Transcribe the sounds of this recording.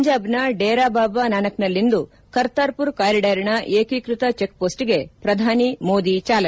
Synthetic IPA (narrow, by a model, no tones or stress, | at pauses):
ɲd͡ʒaːbnɐɖeːɾaːbaːbanaːnɐknɐlːind̪u | kɐɾt̪aːɾpuɾkaːɾiɖɐɾɳɐʔeːkikɾut̪ɐt͡ʃek̚ːpoːsʈiɡe̞pɾɐd̪ʱaːnimo̞ːd̪it͡ʃaːlɐ